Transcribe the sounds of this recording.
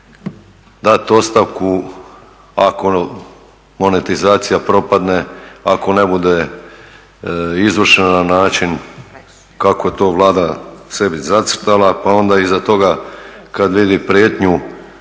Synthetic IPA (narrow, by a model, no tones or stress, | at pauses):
d̪at̪o̞st̪aʋku | ako̞ | mo̞net̪izaːt̪sijapɾo̞pad̪neako̞nebud̪e̞ | izʋərʃenananaːt͡ʃin | kakoje̞t̪o̞ːʋlˠaːd̪ase̞bizat̪sɾt̪alˠapao̞nd̪aizat̪o̞ɡakad̪ʋid̪ipɾjeːt̪ɲu